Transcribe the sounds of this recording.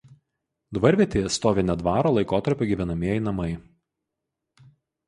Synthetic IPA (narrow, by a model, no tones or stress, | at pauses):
d̪ʋɐɾʲʋʲieɛt̪ʲeːjɛst̪oːʋʲenʲɛd̪ʋɑːɾoːlˠɐɪkoːt̪ɐɾʲpʲʊːɡʲiʋʲɛnɐmʲiɛjɛɪnɐmɐɪ